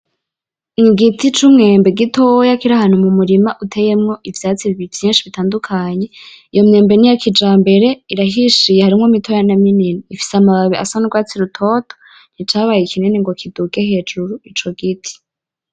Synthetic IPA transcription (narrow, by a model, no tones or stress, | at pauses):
ŋiɡitit͡ʃumŋe̞ːmbeɡitojakiɾahan̥humumuɾimaʔutʰe̞jemŋo̞ʔivjaːt͡siβivjiːnʃiβitaːndukʰaɲe̞ijo̞mŋe̞ːmbe̞nijakʰid͡ʒaːmbe̞ɾe̞iɾaɦiʃijehaɾimŋomitojanamininiifi̥seamaβaβiʔa̰sanoɡwaːt͡siɾutʰo̞tʰo̥ | n̥hit͡ʃaːβajekʰineneŋɡo̞kʰidukeɦe̞ːd͡ʒuɾuit͡ʃo̞ɡitʰi̥